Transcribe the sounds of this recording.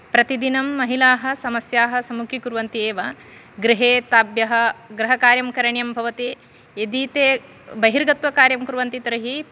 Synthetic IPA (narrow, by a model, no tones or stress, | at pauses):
pɾɐt̪id̪inɐmːɐɦilaːɦɐ̆sɐmɐsjaːɦɐ̆sɐmukʰikuɾʋɐnt̪ieːʋɐ | ɡɾiɦeːt̪aːbjɐɦɐ̆ɡɾɐɦɐkaːɾjɐmkɐɾɐɳjɐmbʱɐʋɐt̪i | ed̪iːt̪eː | bɐɦiɾɡɐt̪ʋɐkaːɾjɐmkuɾʋɐnt̪it̪ɾɐɦi